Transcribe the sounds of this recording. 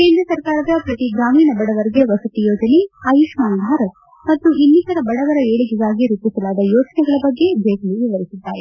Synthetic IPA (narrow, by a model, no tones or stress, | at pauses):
ke̞ːnd̪ɾɐsɐɾkaːɾɐd̪ɐpɾɐt̪iɡɾaːmiːnɐbɐɽɐʋɐɾiɡeʋɐsɐt̪ijoːd͡ʒɐneɐjuʂmaːnd̪ʱaːɾɐ | mɐt̪ːuʔinːikɐɾɐbɐɽɐʋɐɾɐeːɭiɡiɡ̪aːɡiɾup̪ːisɐlaːd̪ɐjoːt͡ʃɐnɛɡɐɭɐbɐɡːe̞d͡ʒɐjkliʋiʋɐɾisid̪ːaːɾe